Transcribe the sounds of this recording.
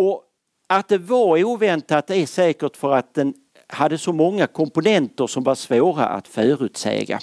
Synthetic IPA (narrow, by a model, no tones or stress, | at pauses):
ɔ | at̪̚d̪ɛvaɾuːvɛnt̪at̪̚d̪ɛæʂɛːkəʈfœɾat̪̚d̪ɛn | had̪ːəsɔmɔŋːakʰɔmpʊnɛnt̪əɾʂɔmvaʂvoːɾa̰ʔa̰t̪fœːɾʉ̟ːt̪sɛ̰ːɡa̰